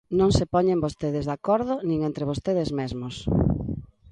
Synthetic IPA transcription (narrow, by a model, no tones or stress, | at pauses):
nõŋsepɔɲẽmbost̪eðɪzðakɔɾðʊnĩŋẽnt̪ɾeβ̞ost̪eðɪzmezmos